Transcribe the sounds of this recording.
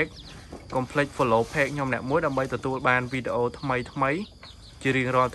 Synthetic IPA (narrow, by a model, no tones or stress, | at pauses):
k̚ː | ɑmpʰlɨc̚foloːpʰeːk̚ʰɲomnɛ̆əʔmuəjɗaəmɓəjt̪ɔt̪uəlɓaːnʋiːɗeʔoːt̪ʰməjt̪ʰməj | t͡ɕiəɾɨəŋrŏəlt̪